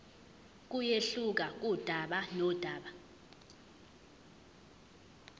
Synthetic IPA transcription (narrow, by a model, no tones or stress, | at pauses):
k̬ujeɬuk̬ak̬ud̥ʱaɓanɔd̥ʱaːɓa